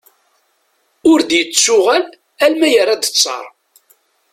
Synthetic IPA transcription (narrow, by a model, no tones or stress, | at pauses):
ʊɾd̪jət͡sːʊʁæl | ælmæjərˤːad̪ə̥t͡sˤːɑ̰ɾˤ